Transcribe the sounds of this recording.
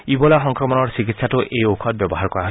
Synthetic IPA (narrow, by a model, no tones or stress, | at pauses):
ibɔlaxɔŋkɾɔmɔnɔɹsik̬itsatuʔejokʰɔt̚bjɔbɔɦaɾkɔɾaɦo